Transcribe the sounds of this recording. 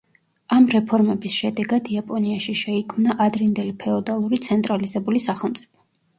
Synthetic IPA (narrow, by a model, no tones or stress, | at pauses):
amɾɛpʰɔɾmɛbisʃɛd̪ɛɡad̪iapʼɔniaʃiʃɛikʰmnaʔad̪ɾind̪ɛlipʰɛɔd̪alˠuɾit̪sʰɛnt̪ʼɾalizɛbulisaχɛlˠmt̪sʼipʰɔ̥